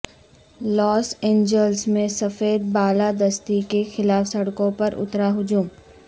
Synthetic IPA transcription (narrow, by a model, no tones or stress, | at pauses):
lɔːsẽːɲd͡ʒəlsmẽsɐfeːd̪̚baːlad̪ɐst̪ikexɪlaːfsɐɽkõpɐɾʊ̰t̪ɾaɦʊd͡ʒuːm